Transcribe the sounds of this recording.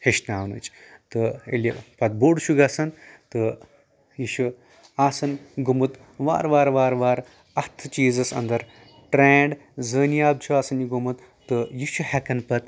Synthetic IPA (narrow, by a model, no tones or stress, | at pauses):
heʃnaːwnɨ̰t͡ʃʰt̪ɨḛlʲɐpɐt̪̚boːɖʃʰuɡaːsɐnt̪ɨ | jiʃu | aːsɐnɡumɨt̪ | ʋa̰ːɾʋaːɾʋaːɾʋaːɾ | ɐt̪ʰɨt͡ʃiːzɐsɐ̰nd̪ɐɾ | ʈɾeːɳɖzəːniaːb̚t͡ʃʰuaːsɐnjiɡumɨt̪ːɨjiʃʰuhɐkɐnpɐt̪